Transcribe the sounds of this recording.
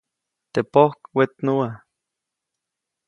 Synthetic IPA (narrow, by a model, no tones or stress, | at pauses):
t̪epohkwet̪nuwa